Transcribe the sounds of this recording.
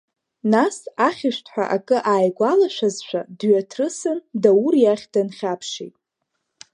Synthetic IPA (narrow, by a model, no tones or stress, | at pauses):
nasaχʲɪʃʷtʰħʷᶣa̰ʔakʼɨʔaːjɡʷalaʃʷᶣazʃʷᶣa̰dɥatʰrɨsɨndaurjaχʲdanχʲapʰʂḭtʼ